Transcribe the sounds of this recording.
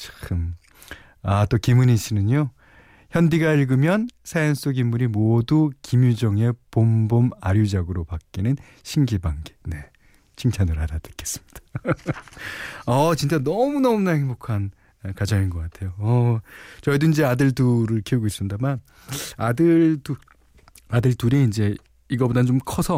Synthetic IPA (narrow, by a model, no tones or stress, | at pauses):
t͡ɕkʰɯm | at͈okimuniɕʰinɯɲo | çjʌndiɡaiɭɡɯmjʌnsʰajʌns͈oɡimːuɾimodukimjud͡ʑʌŋe̞pomboma̰ɾjud͡ʑaɡɯɾopak̚k͈inɯn | ɕʰinɡibaŋɡe̥ne̞ | t͡ɕʰiŋt͡ɕʰanɯɭɦadadɯ̥k͈ʰes͈ɯ̥mɲid̥ḁ | ʌt͡ɕint͡ɕ͈anʌmunʌmunaheŋbokʰan | kad͡ʑʌŋinɡʌk͈atʰe̞joʌt͡ɕʌidoind͡ʑeadɯɭduɾɯɭkʰeuɡois͈ɯnidaman | adɯɭtu | adɯɭtuɾiind͡ʑe̞ | iɡʌbodat͡ɕomkʰʌsʰʌ